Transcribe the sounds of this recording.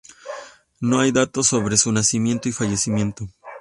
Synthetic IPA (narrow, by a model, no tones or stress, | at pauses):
no̞ajd̪at̪o̞so̞βɾe̞sunasimje̞nt̪oifaʝe̞simje̞nt̪o